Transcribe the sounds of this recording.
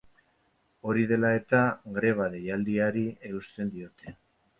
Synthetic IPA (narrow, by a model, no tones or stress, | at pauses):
o̞ɾiðe̞lae̞t̪aɣɾe̞β̞aðejald̪iaɾie̞ust̪e̞nd̪io̞t̪e̞